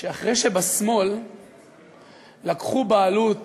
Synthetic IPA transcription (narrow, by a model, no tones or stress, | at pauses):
ʃeaχʁejʃebasmo̞l | akχubaːlut